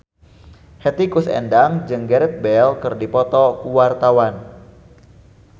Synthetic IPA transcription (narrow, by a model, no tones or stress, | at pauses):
hɛt̪ikusɛ̰ndaŋd͡ʒɨŋɡɛɾɛt̪̚bɛlkɨrdipɔt̪ɔkuwart̪awan